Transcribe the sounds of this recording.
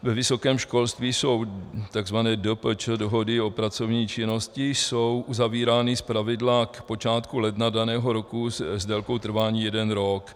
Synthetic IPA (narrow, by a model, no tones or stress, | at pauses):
vɛvɪso̞kɛːmʃko̞lst̪viːso̞wt̪aɡzvanɛːdəp̩t͡ʃdoɦo̞dɪo̞pɾat͡so̞vɲiːt͡ʃɪno̞scɪsowʔuzaviːɾaːnɪspɾavɪdlakpo̞t͡ʃaːt̪kulɛdnadanɛːɦo̞ɾo̞kuzdɛlko̞wt̪r̩vaːɲiːjɛdɛnɾok